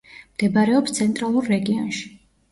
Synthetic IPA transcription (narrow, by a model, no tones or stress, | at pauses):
md̪̥ɛbaɾɛɔpst̪sʰɛnt̪ʼɾalˠuɾːɛɡiɔnʃi̥